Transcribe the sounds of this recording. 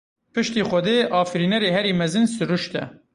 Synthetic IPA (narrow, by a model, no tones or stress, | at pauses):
pʰɨʃt̪iːxʷɛd̪eːʔɑːfɨɾiːnɛɾeːɦɛɾiːmɛzɨnsɨɾuʃt̪ɛ̰